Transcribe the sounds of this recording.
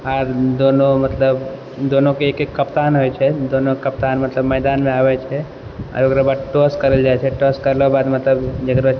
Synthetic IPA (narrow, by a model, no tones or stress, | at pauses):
aɾd̪onomət̪ləb | d̪onokeekekkːəpt̪anɦojt͡ʃʰɛd̪onokəpt̪anmət̪ləbmɛɪd̪anmẽabɛt͡ʃʰɛ | a̰ɾokɾabad̪̚ʈoskəɾəld͡ʒajt͡ʃʰɛʈoskəɾlɔbad̪mət̪ləbd͡ʒekɾə